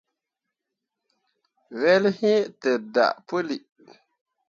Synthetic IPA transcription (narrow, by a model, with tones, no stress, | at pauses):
wɛ˦lhɪ˦tɛ˨da̰˨ʔpo˦li˨